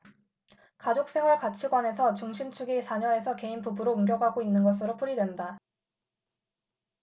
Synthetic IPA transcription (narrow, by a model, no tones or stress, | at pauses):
kad͡ʑok̚s͈ʰe̞wʌɭkat͡ɕʰiɡwane̞sʰʌt͡ɕuŋɕʰimt͡ɕʰuɡisʰaɲʌe̞sʰʌke̞inpubɯɾouŋɡjʌɡɦaɡoinːɯnɡʌs̬ʰɯɾop͈ʰuɾidwe̞nda